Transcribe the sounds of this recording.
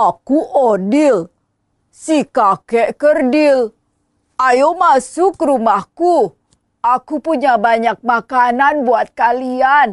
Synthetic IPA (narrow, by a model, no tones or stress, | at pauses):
akuʔodil | sikakɛʔkərdil | ajomasukːəɾumahku | akupuɲabaɲak̚makananbuat̪̚kalian